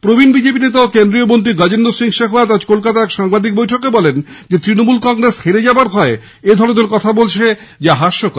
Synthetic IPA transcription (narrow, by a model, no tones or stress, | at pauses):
pɾobʱinbid͡ʑep̬inet̪aokend̪ɾiomont̪ɾiɡad͡ʑend̪osiŋʃeɦwad̪ad͡ʑkolkat̪aɛkʃaŋbad̪ik̚bojʈʰokebɔlend͡ʑet̪ɾinomulkɔŋɡɾesheɾed͡ʑabaɾbʱɔe | ed̪ʱɔɽod̪oɾkɔt̪ʰabolt͡ɕʰe | d͡ʑaɦaʃok